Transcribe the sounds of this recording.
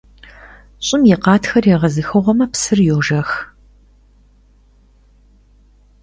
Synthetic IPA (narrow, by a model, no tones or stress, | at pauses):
ɕʼɪmjɛqɑːtʰxɐrjɛʁɐzɨxɨʁʷɔmɐpsɨrjoʒɐx